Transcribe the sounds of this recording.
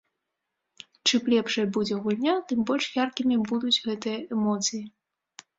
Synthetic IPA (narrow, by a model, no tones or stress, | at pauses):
t͡ʂɨplʲɛpʂɐjɐbud͡zʲɛɣulʲnʲat̪ɨmbɔlʲʂjarkʲimʲibud̪ut͡sʲɣɛt̪ɨjɐɛmɔt̪sɨji